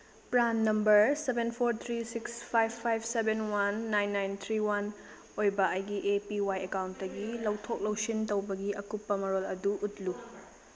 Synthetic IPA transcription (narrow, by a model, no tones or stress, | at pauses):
pɾanːɐmbɐɾsebenpʰoɾt̪ʰɾisikspʰajbpʰːajbsebenwanːajnːajnt̪ʰɾiwan | ojbɐɐjɡiʔepiwajekawntːɐɡilɐwtʰok̚lɐwsintowbɐɡiʔɐkupːɐmɐɾolɐduʔutlu